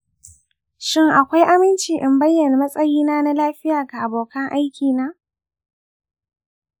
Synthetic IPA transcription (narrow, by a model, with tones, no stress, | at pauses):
ʃɪ˦ŋʔa˨kʷa˦jʔa˦mɪ˦nt͡ʃiː˨ʔɪ˨mbɐ˦jːɐ˨na˨mɐ˦sʼɐ˦jiː˦naː˦na˦laː˦ɸɪ˦jaː˨ɡa˨ʔa˨boː˨kɐ˦ŋʔa˦jkʲiː˨naː˦